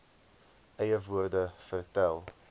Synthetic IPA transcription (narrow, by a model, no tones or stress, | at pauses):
ʔɛjəvuərdəfərtælˠ